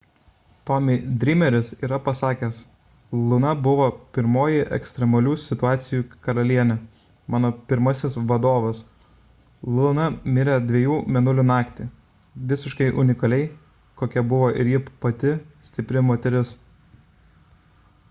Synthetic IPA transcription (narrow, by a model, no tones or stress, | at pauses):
t̪ɔmʲɪd̪ʲɾʲiːmʲɛɾʲɪsiːɾɐpɐsɑːkʲɛs | lˠʊnɐbʊʋoːpʲɪɾmoːjɪʔɛ̰ksʲt̪ʲɾʲɛmɐlʲuːsʲɪt̪ʊɑːt̪sʲɪjuːkɐɾɐlʲiɛnʲɛ | mɑːnoːpʲɪɾmɐsʲɪsʋɐd̪oːʋɐs | lˠʊnɐmʲɪɾʲɛd̪ʲʋʲiɛjuːmʲɛnʊlʲʊnɑːkt̪ʲɪ | ʋʲɪsʲɪʃkɐɪʔʊnʲɪkɐlʲɛɪ | koːkʲɛbʊʋoːʔɪɾjipɐt̪ʲɪsʲt̪ʲɪpʲɾʲɪmoːt̪ʲɛɾʲɪs